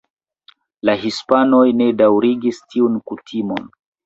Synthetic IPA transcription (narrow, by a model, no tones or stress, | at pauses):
laɦispanojne̞dawɾiɡistʰiunkutʰimon